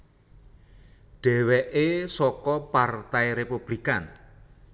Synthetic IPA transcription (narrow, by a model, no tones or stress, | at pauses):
ɖ̥ɛ̤wɛʔesɔkɔpart̪ajɾepub̥likan